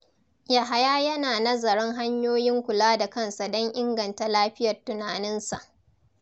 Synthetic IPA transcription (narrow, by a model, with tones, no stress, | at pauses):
ja˨ɦa˨jaː˦jɐ˦naː˨nɐ˦zɐ˨ɽɔ˦ŋɦa˦ɲjoː˦jɪ˦ŋkʷʊ˨laː˦da˨kɐ˦˨nsa˨dɔ˦ŋʔɪ˦ŋɡɐ˨nta˨laː˦ɸɪ˦jɐ˨rtʊ˨naː˨nɪ˦nsa̰˨ʔ